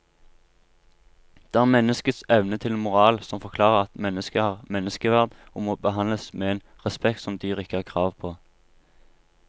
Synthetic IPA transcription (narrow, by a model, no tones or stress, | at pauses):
d̪̥eːæːʁmɛnəskəsɛʋnət̪ʰɪlmʊʁɑːlsɔmfɔʁkʰlɑːʁəʁɑt̪mɛnːəskəhɑːʁmɛnəskəʋæʁd̪ʊmoːbəɦɑnləsmeːeːn | ʁɛspɛk̚t̪sɔmd̪yːʁɪkəɑːʁkʰʁɑːʋpʰoː